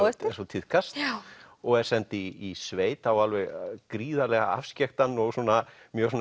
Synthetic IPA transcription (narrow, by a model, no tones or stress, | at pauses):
t̪ɛsɔt̪ʰɪð̥kʰast̪ | ɔɣɛɾ̥sɛnt̪ɪːsveːjt̪awalvɛɣkɾiːðalɛɣaa̰fscɛxt̪anːɔɣsɔːna | mjœːɾsɔn